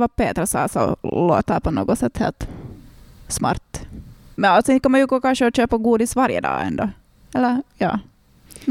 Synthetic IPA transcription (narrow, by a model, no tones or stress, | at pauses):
ʋɑpeːt̪ɾəsɑ̰ːsɔ̰lo̰ːt̪ːæpɔno̰ːɡɔsɛt̪ːhḛːlt̪ | smɑ̰ːɾt̪mɛnalt̪sɔɪn̚kʰɔmːɑnjʉɡoːkɑnʂəɔɕøːpaɡuːd̪ɪsʋɑɾjə̰d̪ɑ̰ːɛ̰nd̪ɔ | ɛlːəɾjɑ̰ː